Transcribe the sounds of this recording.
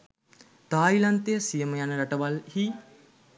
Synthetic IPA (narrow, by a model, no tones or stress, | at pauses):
t̪aːilant̪ejəsijəməjanəɾaʈəʋalhi